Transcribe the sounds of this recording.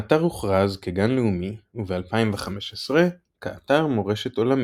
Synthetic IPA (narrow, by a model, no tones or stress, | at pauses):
ataʁuχʁazkeɡanleumiuvealpaimveχame̞ʃesʁe | kaataʁmo̞ʁe̞ʃeto̞lam